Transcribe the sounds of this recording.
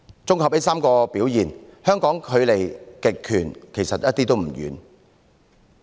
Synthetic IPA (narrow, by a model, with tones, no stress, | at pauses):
t͡sʊ˥ŋhɔ˨pːe˨˥jsaː˥mkɔː˧piː˨˥wjiː˨˩nhœː˥ŋkɔː˨˥ŋkʰɵ˨˧ɥle˨˩jkɪ˨kʰːyː˨˩nkʰe˨˩jsɐ˨t̚jɐ˥t̪̚iː˥t̪o˥wm̩˨˩jy̰ː˨˧n